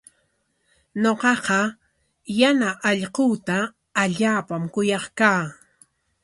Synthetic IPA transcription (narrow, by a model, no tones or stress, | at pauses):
ɲoqɑqɑ | janaʔɑʎquːt̪aː | ʎaːpamkʊjɑχkaː